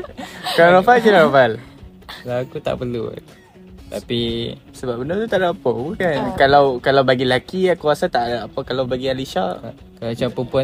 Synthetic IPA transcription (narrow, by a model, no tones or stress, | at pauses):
kalaɾafald͡ʒəlaɾafal | laakut̪a̰ʔpəlṵ | t̪api | səbap̚bənat̪ut̪aʔdapɔbukankalawkalawbaɡilakiakuasat̪aʔaʔpakalawbaɡialiʃaʔ | kalat͡ʃapɾəmpua